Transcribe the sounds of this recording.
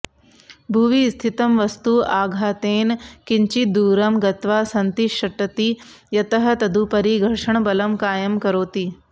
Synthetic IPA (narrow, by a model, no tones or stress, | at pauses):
bʱuʋist̪ʰit̪ɐmʋɐst̪uaːɡʱaːt̪eːnkɪɲt͡ʃid̪uːɾɐmɡɐt̪ʋaːsɐnt̪iʃɐʈɐt̪i | jɐt̪ɐɦɐ̆t̪ɐd̪ʱupɐɾiːɡʱɐɾʂəɳ̃bɐlɐmkaːjɐmkɐɾoːt̪iː